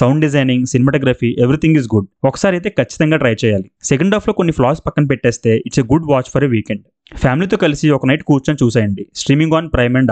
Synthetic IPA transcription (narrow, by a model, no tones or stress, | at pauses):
sɐwɳɖɖizɐjniŋɡsinɛmɐʈɔːɡɾaːfiːʔeʋɾit̪ʰiŋɡizɡuɖ̚ɔkɐ̥saːɾɐjt̪eːkʰɐt͡ʃːi̥t̪ɐŋɡaːʈɾɐjt͡ʃɛːjaːliseɡɐɳɖaːpʰlo̞ːko̞nːiplaːɾspɐkːɐnɐp̬ɛʈːeːst̪e̞ːʔiʈseɡuɖʋaːt͡ʃpʰɐɾeʋiːkeɳɖ | pʰjaːmiliːt̪̬o̞ːkɐlisiɔkɐnɐjʈkuːɾt͡ʃɐnt͡ʃuːs̬aːjɐɳɖisʈɾiːmiŋɡaːnpɾɐjmeɳɖ